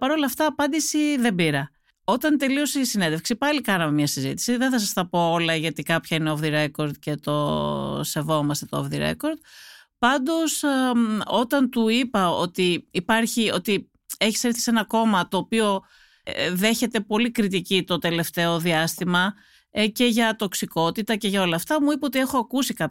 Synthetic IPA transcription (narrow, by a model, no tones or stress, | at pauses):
pɐɾo̞lɐft̪ɐːpɐnd̪isiðe̞mbiɾɐ | o̞t̪ɐnt̪e̞lio̞sisine̞nd̪efksipɐlikɐnɐmemɲɐsizḭt̪i̥siðeθɐsɐst̪ɐpo̞olɐʝɐt̪ikɐpçɐineovðiɾe̞ko̞ɾd̪̚ce̞t̪o̞se̞vo̞mɐst̪e̞t̪oo̰vðiɾḛko̞ɾd̪̥̚pɐnd̪o̞s | o̞t̪ɐnt̪uipɐo̞t̪iːpɐɾçio̞t̪i | e̞çisɾiθi̥senɐko̞mɐt̪o̞ːpio̞ | ðe̞çe̞t̪e̞po̞likɾit̪̬icit̪o̞t̪e̞le̞ft̪e̞o̞ðiɐst̪imɐ | ece̞ʝɐt̪o̞ksiko̞t̪it̪ɐce̞ʝɐo̞lɐːft̪ɐmuipɐot̪̬ie̞xo̞ɐkusikɐp